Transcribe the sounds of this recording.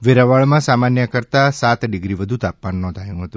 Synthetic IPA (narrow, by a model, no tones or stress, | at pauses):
ʋeɾaʋaɭmãsamanjəkəɾt̪asat̪ɖiɡɾiʋəd̪ʱut̪ap̚manːɔ̃d̪ʱajũɦət̪ũ